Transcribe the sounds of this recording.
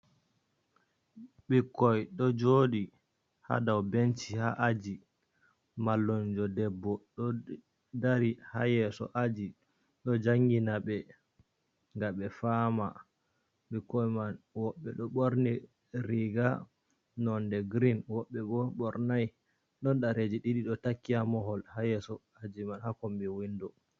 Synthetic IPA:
ɓikːɔjɗɔd͡ʒodi | ha̰dawbent͡ʃiha̰ʔad͡ʒi | malːɔnd͡ʒɔdɛbːɔɗɔ | daɾiha̰jɛsɔ̰ʔad͡ʒi | ɗɔd͡ʒaŋɡinaɓɛ | ŋɡaɓɛfama̰ | ɓɛkɔjmanwɔɓːɛ̰ɗɔɓoɾni | ɾiɡa | nɔndɛɡɾinwɔɓːɛbɔɓɔɾnaj | ɗɔnɗaɾed͡ʒiɗiɗiɗɔtakːiamɔɦɔlhajɛsɔ | ad͡ʒimanhakɔmbiwindɔ

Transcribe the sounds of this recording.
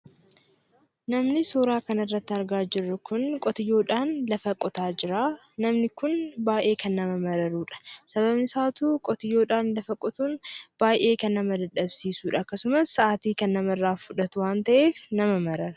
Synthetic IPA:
nɐmnɪsoːɾaːkɐnɐrːɐt̪ːɐɾɡaːd͡ʒɪrːʊkʊnkʼɔt̪ɪjːo̞ːᶑaːnlɐfɐkʼɔt̪aːd͡ʒɪɾaː | nɐmnɪkʊnbaːjʔe̞ːkʰɐnːɐmɐmɐɾɐɾuːᶑɐ̥sɐβɐbnɪsaːt̪uːkʼɔt̪ɪjːo̞ːᶑaːnlɐfɐkʼɔt̪uːnb̥aːjʔe̞ːkɐnːɐmɐd̪ɐᶑːɐbsiːsuːᶑɐːkːɐsʊmɐsːɐʔaːt̪iːkɐnːɐmɐrːaːfʊᶑɐt̪ʊwaːnt̪ɐʔeːfnɐmɐmɐɾɐɾɐ̥

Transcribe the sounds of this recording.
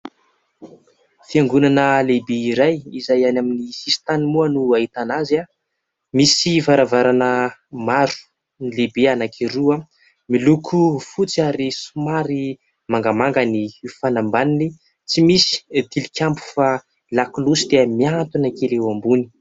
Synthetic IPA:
fiaŋɡunanəlebeiɾajizajanaminisisi̥t̪animuanuait̪anaza | misivaɾavaɾanəmaɾu̥ | nilebeanakʰiɾua | milukʰufut͡siaɾesumaɾi | maŋɡamaŋɡənifanambanini | t͡simisi̥t̪ilikʲambu̥fa | laklusid̪̥eəmiant̪unakelewambuni̥

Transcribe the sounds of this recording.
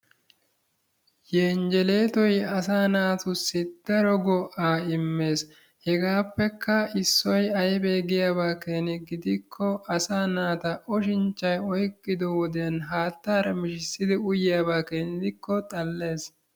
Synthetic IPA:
jeːnd͡ʒɛle̞ːt̪ɔjɐsaːnaːt̪ʊsːɪd̪̥ɐɾɔɡɔʔaːɪmːe̞ːs | hɛɡaːpːɛkːɐɪsːɔjɐjbeːɡɪjaːbaːkeːnɪɡɪd̪ɪkʰːɔɐsaːnaːt̪ɐʔɔʃɪnt͡ʃːɐjɔjkʼːɪd̪ɔwɔd̪eːnɦaːt̪ːaːɾɐmɪʃɪsːɪd̪ɪʊjɪjaːbaːkeːnɪd̪ɪkːɔt̪ʼɐlːe̞ːs

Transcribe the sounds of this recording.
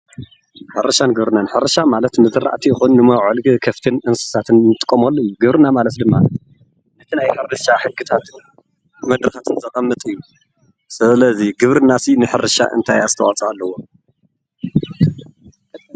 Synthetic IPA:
ħɨɾɐʃanɡɨβɾɨnanħɨɾɐʃamalɐt̪nɨzɨɾʔa̰ʔt̪ʰijɪxunːɨmɐwʕɨlkʰɐft̪ʰɨnʔɨnsɨ̥sat̪ʰɨnnɨt̪ʼɨ̥kʼːɐmolːojːuɡɨβɾɨnamalɐt̪d̪ɨmːa | nɐt̪ʰinajħɨɾɾɨʃaħɨkːɨt̪ʰat̪ | mɐd̪ɾɨxat̪ʰɨnzɐkʼɐmːɨt̪ʼɨjːu | sɨlɐziɡɨβɾɨnːasinɨħɨɾɨʃa̰ʔɨ̰nt̪ʰajazɨt̪ʰɐwat͡sʼɐalːɐwo

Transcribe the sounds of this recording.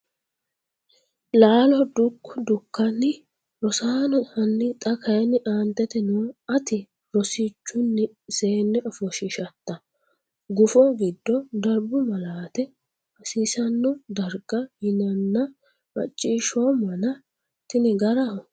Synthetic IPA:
laːlɔd̪ʊkːʊd̪ʊkːɐnːɪ | ɾɔsaːnɔhɐnːɪt̪ʼɐkʰɐjɛnːɪʔaːnt̪ːɛt̪ɛnuɐt̪ɪ | ɾɔsit͡ʃːʊnːɛ | seːnːɛʔɔfɔʃɪʃɐt̪ːɐ | ɡʊfɔɡɪd̪ːɔd̪ɐɾbʊmɐlaːt̪ɛ | ɐsiːsɐnːɔd̪ɐɾɡɐjɪnɐnːɐ | mɐ̰t͡ʃʼːiːʃɔmɐnɐ | t̪ɪnɪɡɐɾɐ

